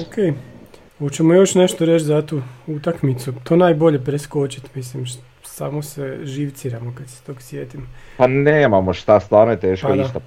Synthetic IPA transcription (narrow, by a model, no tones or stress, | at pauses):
okʰej | ot͡ɕemojo̞ʃne̞ʃt̪oɾe̞t͡ɕ̪zat̪uːut̪akmit̪sut̪ʰoːnaːjbo̞ʎe̞pɾesko̞t͡ɕit̪mislim | saːmo̞seʒiʋt̪siːɾamokad̪se̥t̪oːɡsjeːt̪imopaneːmamoʃt̪ast̪ʋaːɾnojet̪eːʃkpaoid̪at̪o